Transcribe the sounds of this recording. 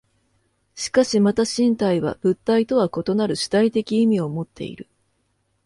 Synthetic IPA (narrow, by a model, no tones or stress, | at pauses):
ɕi̥kaɕimat̪aɕĩnt̪aiβa̰b̥ɯ̟t̪ːait̪o̞βako̞t̪o̞naɾɯ̟ɕi̥t̪ait̪e̞kʲiːmʲio̞mo̞t̪ːe̞̰ḭɾɯ̟